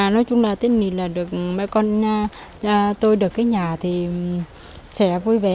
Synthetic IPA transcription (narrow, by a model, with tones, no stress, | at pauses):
nɔ˨˦jt͡ɕʊ˧ŋ͡mlaː˨˩t̪i˦˥əŋ̚ŋi˨˩laː˨˩ɗɨ˨˩ək̚ma̰˧˥jkɔ˧nː˧ | t̪o˧jɗɨ˨˩əkːaː˨˦jɲaː˨˩t̪ʰi˨˩ | sɛ̰˧˥vu˧jvɛ˨˩